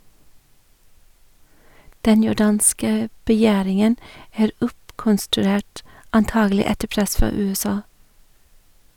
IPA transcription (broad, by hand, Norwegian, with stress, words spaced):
ˈdɛn jʊˈɖɑːnskə bəˈjæːɾɪŋən ˈæːɾ ˈʊpkɔnstʉˌɾeːʈ ɑnˈtɑːɡl̩ˌɪ ˈɛtə ˈpɾɛs ˈfɑː ˌʉːɛˈsɑː